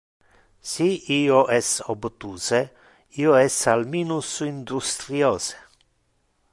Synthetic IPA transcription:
siiːoʔɛsobt̪uːse | iːoɛsalmiːnusuind̪ust̪ɾjoːse̥

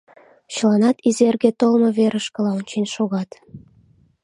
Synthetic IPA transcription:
t͡ɕə̆lɑnɑt̪izerɣet̪olmɤ̆βeɾə̆ʃkə̆lɑonʲt͡ɕenʲʃoɣɑt̪

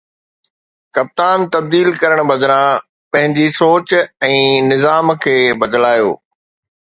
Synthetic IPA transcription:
kɐp̚t̪aːnt̪ɐb̚d̪iːlkɐɾəɽ̃bɐd̪ɾã | pɐ̃ɦɪ̃ɲd͡ʑisoːt͡ɕɛ̃ːnɪzaːmkʰeːbɐd̪laːjo̰ː

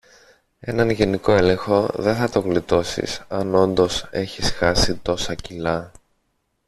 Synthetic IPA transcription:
e̞nɐnʝe̞niko̞e̞le̞ŋxo̞ðe̞θɐt̪o̞ɣlit̪o̞sḭsɐno̞nd̪o̞se̞çisxɐsit̪o̞sɐcilɐ

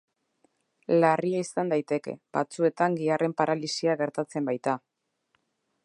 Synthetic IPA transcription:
lariaisand̪ajt̪e̞ke̞̰bat͡sue̞t̪aŋɡiarʔe̞mpaɾalisiaɣe̞ɾt̪at͡se̞mbajt̪a

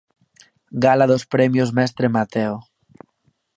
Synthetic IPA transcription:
ɡalaðospɾɛmjozmɛst̪ɾemat̪eo

